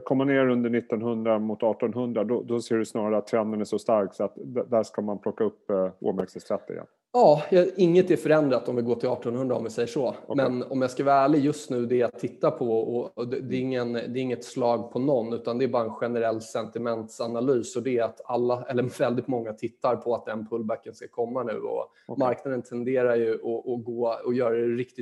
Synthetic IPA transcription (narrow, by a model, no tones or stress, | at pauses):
kʰɔmːaneːɾɵnd̪əɳɪt̪ːɔnɦɵnd̪ɾamʊt̪ɑːʈɔnɦɵnd̪ɾad̪ɔd̪ɔseːɖɵsnɑːɾaɾəat̪ʰːɾɛnd̪ənæʂɔst̪aɾksɔat̪d̪d̪æʂkamanpʰlɔkːaɵpːo̰ːmæɾksəst̪ʰɾɛt̪ʰːɪ̰ɛ̰n | ɑːjɑɪŋːət̪æɾfœɾɛnd̪ɾat̪ːɔmvɪɡoːʈʰɪlɑːʈɔnhɵnd̪ɾaɔmvɪsɛjːəʂɔmɛnɔmjaskavɑːæːɭɪɡjɵst̪nʉ̟ːd̪ɛjat̪ʰːɪt̪ːapʰɔɔɛd̪ɛɪŋːənd̪ɛːɾɪŋːət̪slɑːɡpʰɔnɔnːʉ̟ːt̪and̪ɛːbɑːɾaɛnɧɛnəɾɛlːsɛnt̪ɪmɛnt̪sanalyːsɔd̪ɛːɾat̪alːaɛlːəvɛld̪ɪt̪mɔŋːat̪ʰɪt̪ːaɾpʰɔat̪̚d̪ɛnpʰɵlːbækːənskakʰɔmːanʉ̟ːɔ̰ | maɾknad̪ənt̪ʰɛnd̪eːɾaɾjɵʔɔʔɔɡoːɔjœːɾad̪ɛɾɪk̚t̪ɪt